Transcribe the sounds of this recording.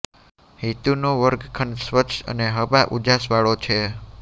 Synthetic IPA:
hit̪unoʋəɾɡkʰənsʋət̪ːʃə̰neɦəbaʔud͡ʒasʋaɭot͡ʃʰe

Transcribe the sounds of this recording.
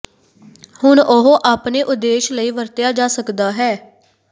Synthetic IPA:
hʊnʊɦoːʔaːpneːʔʊd̪ːeːʃləiːʋəɾt̪jaːd͡ʒaːsəkd̪aːɦɛː

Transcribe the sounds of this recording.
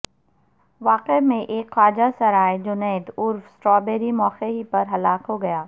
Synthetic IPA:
ʋaːqemẽʔeːkxaːd͡ʑasɐɾaːed͡ʑʊnɛːd̪ʊɾfsʈɾɔːbeːɾimɔːxeɦipɐɾɦɐlaːkɦoɡɐjaː

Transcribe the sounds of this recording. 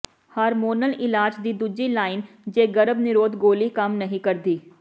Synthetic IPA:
həɾmoːnəlɪlaːd͡ʒd̪iːd̪ud͡ʒilaːɪn | d͡ʒeːɡɐɾəbnɪɾoːd̪ɡoːlikɐmnɐɦĩkɐɾd̪iː

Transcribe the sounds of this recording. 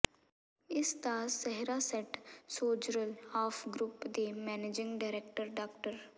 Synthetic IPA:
ɪst̪aːsɛɦɾasɛʈsoːd͡ʒɾəlaːfɡɾuːpd̪emɛːneːd͡ʒɪ̃ŋɡɖaɪɾeːk̚ʈəɾɖaːkʈəɾ

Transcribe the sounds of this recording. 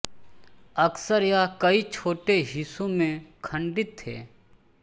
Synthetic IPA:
ɐksəɾjakəit͡ʃʰoːʈeɦɪsũmẽkʰə̃ɳɖɪt̪ʰːḛː

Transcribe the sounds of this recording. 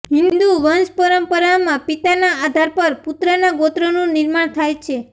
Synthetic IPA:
ɦɪ̃nnd̪uʋənspəɾəmpəɾamãpit̪anaad̪ʱaɾpəɾput̪ɾənaɡot̪ɾənũnɪɾmaɳt̪ʰajt͡ʃʰe

